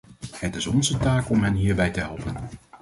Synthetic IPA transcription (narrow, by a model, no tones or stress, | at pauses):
ɦətɪsɔnzətaːkɔmɦɛnɦiːɹbɛjtəɦɛlˠpən